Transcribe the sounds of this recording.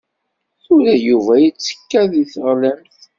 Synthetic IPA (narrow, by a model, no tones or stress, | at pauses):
θuɾæjuvæjit͡sːə̥kːæðiθəʁlæmθ